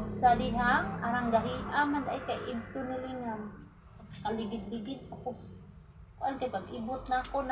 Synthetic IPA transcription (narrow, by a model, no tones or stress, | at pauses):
ɡsadɪɦaŋaɾaŋɡaɦihamand̪aʔjkajʔɪb̚t̪ʊnɪlɪŋa | kalɪɡɪd̪̚lɪɡɪd̪̚kakʊs | kʊʔankajpaɡʔibʊt̪̚nakon